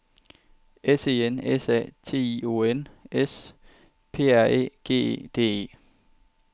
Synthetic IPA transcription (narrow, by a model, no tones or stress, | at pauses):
ese̝ːenesɛ̰t͡sʰe̝̰ːio̝ːenes | pʰe̝̰ːæɐ̰e̝̰ːɡ̥e̝̰ːed̥e̝̰ːe̝̰ː